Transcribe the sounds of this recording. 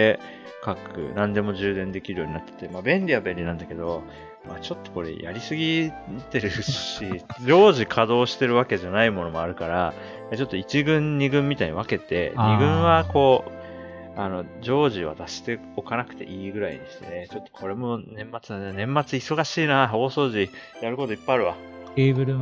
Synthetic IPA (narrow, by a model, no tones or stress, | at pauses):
e | kakɯ̟̰nãnd̪e̞mo̞ʑɨːd̪ẽ̞nd̪e̞kʲiɾɯ̟joɲinat̪ːe̥t̪ːe̞maːbẽ̞nʲɾʲijabẽ̞ɾʲinãnd̪ake̞d̪o̞ | mat͡ɕo̞t̪ːoko̞ɾe̞̰jʔa̰ɾʲisɨɡʲit̪e̞ɾɯ̟ɕid͡ʑo̞ːʑikʰad̪o̞ːɕi̥t̪e̞ɾɯ̟βake̞ʑanaimo̞no̞mo̞aɾɯ̟kaɾa | jat͡ɕo̞t̪ːo̞it͡ɕiɡɯ̟̃ɲɲiɡɯ̟̃mːʲit̪aiɲiβake̞t̪e̞̰ɲiɡɯ̟̃ɰ̃βako̞ː | ano̞d͡ʑo̞ːʑiβa̰t̪aɕi̥t̪e̞ | okanakɯ̟̥t̪e̞̰ʔiːɡɯ̟ɾaḭnɕt̪ḛnet͡ɕo̞t̪ːo̞̥kʰo̞ɾe̞mo̞nẽ̞mːat͡sɨnannẽ̞mːat͡sɨiso̞ɡaɕiːnaoːso̞ːʑijaɾɯko̞t̪o̞ipːaeaɾɯ̟βaebɯ̟ɾɯ